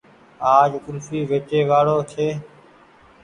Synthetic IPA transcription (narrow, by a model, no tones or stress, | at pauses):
aːd͡ʒkʊlfiːʋeːt͡ʃeːʋaːɽoːt̪ʰeː